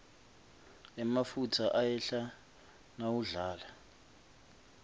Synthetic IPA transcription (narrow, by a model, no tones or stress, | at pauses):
ɛmafutʰaʔajɛɬa | nawuɮaːla